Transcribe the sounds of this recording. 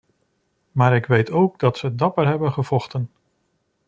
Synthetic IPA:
maːɾɪkʋejtowɡ̚dɑtsədɑpəɹɦɛbənχəv̥ɔχtən

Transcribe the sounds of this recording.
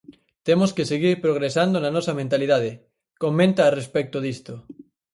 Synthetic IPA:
t̪emoskeseɣiɾpɾoɣ̞ɾesand̪onanɔsamẽnt̪aliðað̞e | kommẽnt̪aːrespek̚t̪oðist̪o

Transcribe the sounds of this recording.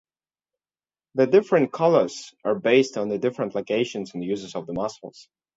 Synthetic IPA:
ðɨdɪfɹɨ̃n̚kʰʌlˠə˞z̥ə˞beɪstn̩ðɨdɪfɹə̃ntˡloʊkeɪʃɨ̃n̩zn̩ðɨjʉzəzʌvðəmɑsl̩ˠz̥

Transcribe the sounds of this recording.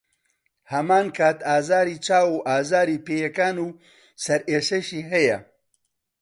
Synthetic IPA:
hɐmaːnkʰaːt̪ʰaːzaːɾiːt͡ʃʰaːwuːʔaːzaːɾiːpeːjɛkaːnuː | sɐɾʔeːʃɐʃiːɦɛjɐ̰

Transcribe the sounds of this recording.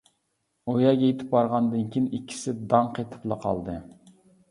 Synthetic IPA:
ojɑɡʲɛjet̪ʰɪ̥p̚bɑɾʁɑnd̪ɨnkʲʰinikʲʰːi̥sɪd̪ɑɴqʰet̪ʰɪ̥plˠɨqʰɑ̰lˠd̪ɨ

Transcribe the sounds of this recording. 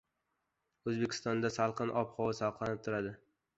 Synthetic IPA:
ɵzbekʲʰɪ̥st̪ɒnd̪asalˠqɨnʔɒpχɒwɪsalˠqlˠanɪp̚t̪ʰʊɾad̪ɪ

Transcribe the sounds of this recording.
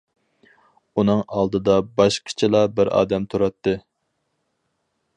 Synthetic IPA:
unɨŋɑlˠd̪ɨd̪ɑbɑʃqʲʰɪ̥t͡ʃʰɪlˠɑbɪɾɑ̰ːd̪ɛmt̪ʰuɾɑt̪ːɨ

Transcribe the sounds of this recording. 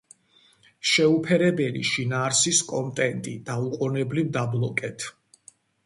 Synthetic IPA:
ʃɛupʰɛɾɛbɛlḭʃinaːɾsiskʼɔnt̪ʼɛnt̪ʼid̪̥auqʼɔnɛblivd̪ablˠɔkʼɛt̪ʰ

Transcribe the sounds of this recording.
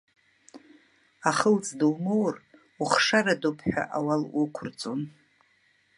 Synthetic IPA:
aχəlt͡sʼdɨwmowr | uχʂaradopʰħᶣa̰ʔawalukʷʰʊrt͡sʼon

